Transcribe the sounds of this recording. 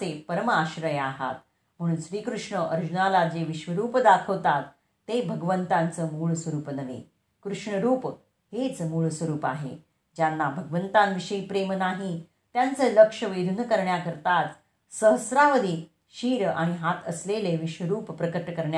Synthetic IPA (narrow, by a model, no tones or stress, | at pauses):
epəɾməaɕɾəjaɦa̰t̪ | m̤əɽ̃uːnɕɾiːkɾuʂɳəʔəɾd͡ʑunalad͡zeʋiɕʋəɾuːpd̪akʰəʋt̪at̪ː | ebʱəɡʋənt̪ãnt͡səːmuːɭsʋəɾuːpnəʋḛ | kɾuʂɳəɾuːp | ɦet͡smuːɭsʋəɾuːpaɦḛ | d͡ʑjanːabʱəɡəʋənt̪anʋiʂəipɾemnaɦi | t̪jant͡səːləkʂəʋed̪ʱunəkəɾɳjakəɾt̪at͡s | səɦəsɾaʋəd̪ʱiː | ɕiːɾa̰ɽ̃iɦat̪əsleleʋiɕʋəɾuːppɾəkəʈːəkəɾɳj